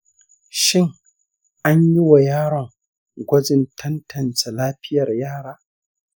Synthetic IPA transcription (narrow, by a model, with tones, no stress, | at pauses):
ʃɪ˦ŋ | ʔa˦ɲji˦wa˨jaː˦ɽɔ˨ŋ | ɡʷɐ˦d͡ʒɪ˨ntʰɐ˦ntʰɐ˨nt͡ʃe˨laː˦ɸɪ˦jɐ˨rjaː˦ɽaː˦